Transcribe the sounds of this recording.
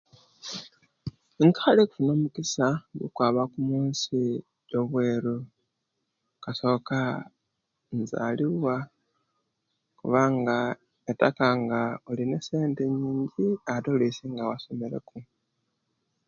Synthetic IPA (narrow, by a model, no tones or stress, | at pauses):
eŋkḁxaleku̥funo̞ːmukisaɡḭkwaːβakumuːnsi | joβwe̞ːɾu | kaso̞ka | nza̰liβwa | kuβaŋɡa | etakaŋɡaolinese̞ːnte̞ɲiːɲɟiatolisiŋɡawaso̞meɾe̞̰ku